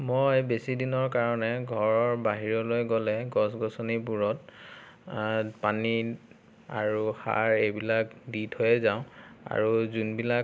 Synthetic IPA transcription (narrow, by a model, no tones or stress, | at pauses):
mojbesidinɔɹkaɹɔnɛɡʱɔɹɔɹbaɦiɹɔlojɡɔlɛɡɔsɡɔsɔnibuɹɔt̚ | pani | a̰ɹuxa̰ɹebilakdithojɛzaʊ̃a̰ɹuzunbilak